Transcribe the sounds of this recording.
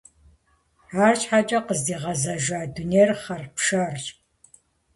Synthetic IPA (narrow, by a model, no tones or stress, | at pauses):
aːrt͡ʃħat͡ʃʼɐqəzdiːʁɐzɐʒaːduneːrχɐrpʂɐrt͡ʃʼ